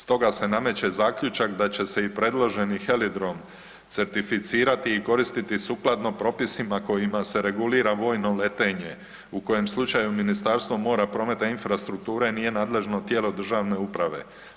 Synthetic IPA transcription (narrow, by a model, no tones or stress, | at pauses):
st̪o̞ɡase̞name̞t͡ɕe̞zaːkʎut͡ʃakd̪at͡ɕe̞seipɾed̪lˠo̞ʒe̞nixelid̪ɾo̞m | t̪se̞ɾt̪ifit̪siːɾat̪iːko̞ɾist̪it̪isuklˠad̪no̞pɾo̞pisimako̞jimase̞ɾe̞ɡuliːɾaʋo̞ːjno̞le̞t̪e̞ɲe̞ | uko̞je̞mslˠut͡ʃajuminist̪aɾst̪ʋo̞mo̞ːɾapɾo̞me̞t̪ainfɾast̪ɾuk̚t̪uːɾe̞nije̞naːd̪le̞ʒno̞t̪je̞lo̞d̪r̩ʒaʋne̞upɾaʋe̞̰